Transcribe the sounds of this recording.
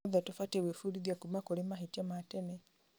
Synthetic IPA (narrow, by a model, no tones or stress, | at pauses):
ðatufatɛwefuɾiðjakumakoɾimaɦitiamatɛnɛ